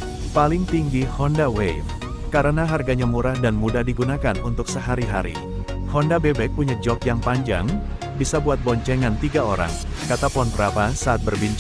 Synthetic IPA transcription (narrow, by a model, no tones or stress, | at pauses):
palɪŋt̪iŋɡihɔndawejf | kaɾənaɦarɡaɲamuɾahdanmudahdiɡunakanunt̪ʊksəɦaɾiɦaɾḭ | hɔndabebɛk̚puɲad͡ʒɔkjaŋpaɲd͡ʒa̰ŋ | bisabuat̪̚bɔɲt͡ʃɛŋant̪iɡaoɾa̰ŋ | kat̪apɔnpəɾapasaːt̪̚bərbiɲt͡ʃ